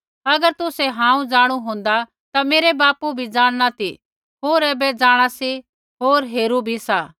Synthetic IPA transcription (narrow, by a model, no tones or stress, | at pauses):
ɐɡəɾt̪ʊsɛɦãːũd͡zaːɽ̃uɦõːnd̪a | t̪ameːɾebaːpubʱid͡zaːɽ̃nat̪i | ɦoːɾɛːbɛd͡zaːɽ̃asi | ɦoːɾɦeːɾubʱisaː